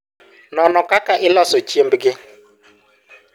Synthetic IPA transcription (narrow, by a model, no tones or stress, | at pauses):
nɔnɔkakaʔɪlɔsot͡ʃiem̩bɪɡɪ